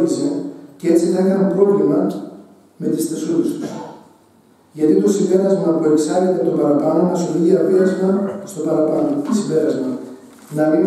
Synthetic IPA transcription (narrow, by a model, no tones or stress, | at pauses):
ise̞cee̞t͡siθɐikɐnepɾo̞vlimɐ | me̞t̪isθesus | ʝɐt̪it̪o̞simbe̞ɾɐzmɐpue̞ksɐlit̪et̪obɐɾɐpɐnonɐsoliðiɐpiɾɐzmɐst̪o̞pɐɾɐpɐno̞t̪simbe̞ɾɐzmɐ | nɐni